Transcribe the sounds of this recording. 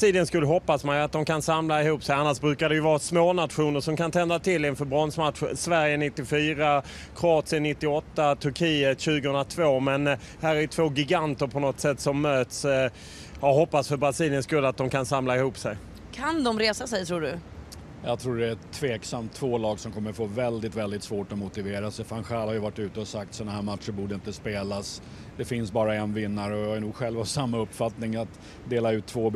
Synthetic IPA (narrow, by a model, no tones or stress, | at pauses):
siːlɪənskɵlːɦɔpːasmajat̪̚d̪ɔmkʰansamlaɪhuːpsɛjanːaʂbɾʉ̟ːkad̪ɛjɵvɑːsmoːnat̪ɧuːnəɾʂɔmkant̪ʰɛnd̪at̪ʰɪlːɪnfœɾbɾɔnsmat̪ɧəsvæɾjənɪt̪ːɪfyːɾa | kʰɾʊɑːt̪sɪənɪt̪ːɪɔt̪ːat̪ʰɵɾkʰiːət̪ɕʉ̟ːɡəhɵnɾat̪ʰvoːmɛn | hæːɾæɾjɵt̪ʰvoːɡɪɡant̪əɾpʰɔnɔt̪sɛt̪ːsɔmːøːt̪s | ɑɦɔpːasfœɾbɾasiːlɪənskɵlːat̪̚d̪ɔmkʰansamlaɪhuːpsɛj | kʰand̪ɔmɾeːsasɛjt̪ʰɾuːɖɵ | jɑ̰ɡt̪ʰɾuːɖɛæt̪ʰːveːksamt̪ʰːv̥oːlɑːɡsɔmkʰɔmːəɾfoːvɛld̪ɪt̪vɛld̪ɪt̪svoːʈɔmʊt̪ɪveːɾast̪ɛfanɧæːlhaɾjɵvaʈːʉ̟ːt̪əɔsak̚t̪sɔnahæːɾmat̪ʂəbuːɖəɪnt̪əspeːlas | d̪ɛfɪnsbɑːɾaɛnvɪnːaɾɔjaanuːɡɧɛlvavsamːaɵpːfat̪nɪŋat̪ | d̪eːlaʉ̟ːt̪ʰːvoːb